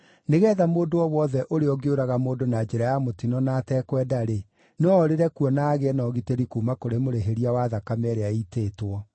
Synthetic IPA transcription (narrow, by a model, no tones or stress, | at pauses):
neɣɛːðamoːndoɔwɔðɛʔoɾeɔɡeoɾaɣamoːdonad͡ʒɛɾajamotinɔnatɛkwɛdaɾe | nɔːɾeɾɛkuɔnaɣeɛnɔɣiteɾikumakoɾemoɾeɦeɾiawaðakamɛɾeaiteːtwɔ